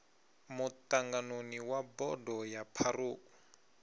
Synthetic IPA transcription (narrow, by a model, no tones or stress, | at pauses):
mutaŋɡanoniwabɔdɔjapʰaruːku̥